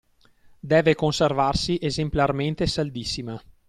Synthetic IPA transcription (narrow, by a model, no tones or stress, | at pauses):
d̪ɛːvekonservarsiʔezemplarment̪esald̪isːima